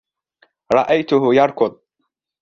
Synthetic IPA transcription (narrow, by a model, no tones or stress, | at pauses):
ɾˤɑʔajt̪ʊɦʊjɑɾˤkʊd̪ˤ